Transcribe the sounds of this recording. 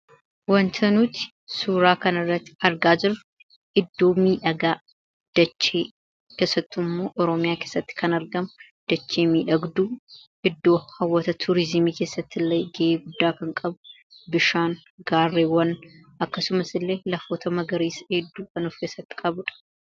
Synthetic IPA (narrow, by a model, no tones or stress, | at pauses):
wɐnt̪ʰɐnuːt̪ɪ̥ | suːɾaːkɐnɪrːɐt̪ːɪ̥ɐɾɡaːd͡ʒɪɾʊ | ʔɪd̪ːo̞ːmiːᶑɐɡaː | d̪̥ɐt͡ʃːe̞ː | keːsːɐt̪ːɪmːo̞ːʔɔɾɔmɪjaːke̞ːsːɐt̪ːɪ̥kʰɐnɐɾɡɐm | d̪̥ɐt͡ʃːeːmiːᶑɐɡd̪uːʔɪd̪ːo̞ːhɐwːɐt̪ɐt̪ʰuɾɪzɪmiːkeːsːɐt̪ːɪlːɐjɡeʔeːɡʊd̪ːaːkɐŋkʼɐbʊ | bɪʃaːn | ɡaːrːeːwɐn | ɐkːɐsʊmɐsɪlːe̞ːlɐfo̞ːt̪ɐmɐɡɐɾiːshed̪ːuːkɐnʊfkeːsːɐt̪ːɪ̥kʼɐbʊᶑɐ̥